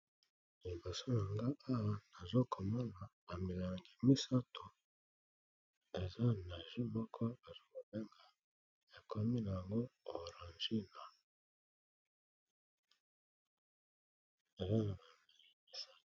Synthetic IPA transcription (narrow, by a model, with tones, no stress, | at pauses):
li˨bo˨so˦na˨ŋɡa˦a˦wa˨˦na˨zo˦kʰo˨mɔ˦na˨ba˨mi˨la˨ŋɡi˨mi˦sa˦tʰo˨ | e˨za˦na˨ʒi˦mɔ˦kʰɔ˦a˨zo˦mo˨be˦ŋɡa˨ | ja˨kʰo˨mi˦na˨ja˨ŋɡo˦o˨ɾa˨nd͡ʒi˦na˨ | e˨za˦na˨ba˨mi˨li˨mi˦sa˦˨